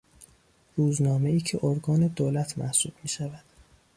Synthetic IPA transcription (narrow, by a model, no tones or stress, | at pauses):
ɾuːznɒːme̞iːcʰe̞ʔoɾɡɒːne̞d̪oːlæt̪ʰmæhsuːb̥̚miːʃævæd̪̥